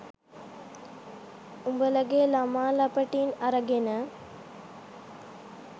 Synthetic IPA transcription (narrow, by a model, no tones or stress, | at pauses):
ʊmbɐlɐɡeːlɐmaːlɐpːɐʈːɪnɐɾɐɡenɐ